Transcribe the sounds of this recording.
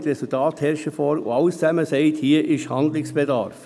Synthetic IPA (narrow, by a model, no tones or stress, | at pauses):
t̪ɾɛsʊltʰɑːt̪hɛɾʃəfɔɾo̰ɑʊst͡sæməsɛɪt̪hiːʔɪʃhɑnd̪lɪsb̥edɑ̰ɾf